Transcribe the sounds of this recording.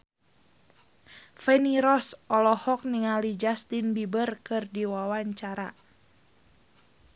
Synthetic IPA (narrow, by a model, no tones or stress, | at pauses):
fɛniɾɔsɔlɔhɔk̚niŋalid͡ʒast̪inbibərkɨrdiwawaɲt͡ʃaɾa̰